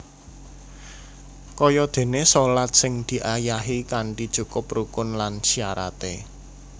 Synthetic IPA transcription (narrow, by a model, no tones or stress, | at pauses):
kɔjɔd̪̥e̤nesolat̪̚sɪŋd̪̥i̤ʔajaɦikaɳɖid̥ʒ̥ukʊprukʊnlansiaɾa̰t̪ḛ